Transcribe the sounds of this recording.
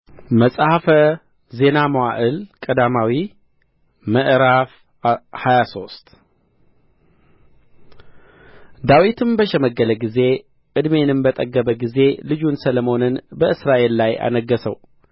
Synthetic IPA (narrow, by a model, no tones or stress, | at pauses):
məsʼhafə | ze̞naməwaʔɨlkʼəd̪amawi | məʔɾaf | hajaso̞st̪ | d̪awit̪ʰɨmbəʃɛməɡːələɡize̞ | ʔɨd̪me̞nɨmbət̪ʼəɡːəbəɡize̞lɨd͡ʒunsələmo̞nɨnbəɨsɾaʔe̞lːaja̰nəɡəsə̰w